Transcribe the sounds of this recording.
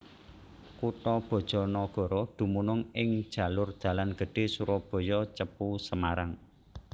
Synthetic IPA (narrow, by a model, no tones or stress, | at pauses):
kuʈɔb̥ɔ̤d̥ʒ̥ɔ̤nɔɡ̥ɔ̤ɾɔd̪̥ṳmunʊŋɪŋ̥ʒ̥ä̤lʊrd̪̥ä̤lanɡ̥ə̤ɖ̥e̤suɾɔb̥ɔ̤jɔt͡ʃəpusəmaɾaŋ